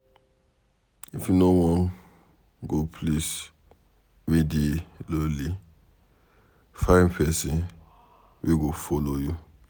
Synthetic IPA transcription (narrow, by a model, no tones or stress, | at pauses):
ifjunowɔ̃n | ɡopʰlis | wedeloli | fãɪpʰɛsĩn | wʔiɡofɔloju